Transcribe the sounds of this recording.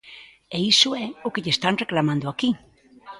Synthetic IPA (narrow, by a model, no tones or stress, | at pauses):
eisuɛokeʎest̪anreklamãnd̪oaki